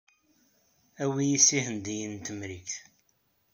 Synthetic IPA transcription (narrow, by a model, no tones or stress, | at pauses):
æwijisihənd̪ijənt̪əmɾikθ